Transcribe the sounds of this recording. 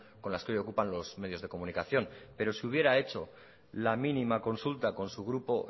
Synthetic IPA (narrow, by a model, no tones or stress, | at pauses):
ko̞nlaskeojo̞kupanlo̞zmeðjo̞zðe̞ko̞munikaθjo̞npe̞ɾo̞siuβ̞je̞ɾae̞t͡ʃo̞ | laminimako̞nsult̪ako̞nsuɣ̞ɾupo̞